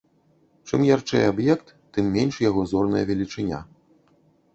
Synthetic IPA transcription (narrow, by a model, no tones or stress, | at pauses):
t͡ʂɨmjart͡ʂɨ̰jabjɛkt̪ːɨmːʲɛnʲʂjaɣɔzɔrnɐ̰jɐ̰vʲɛlʲit͡ʂɨnʲa̰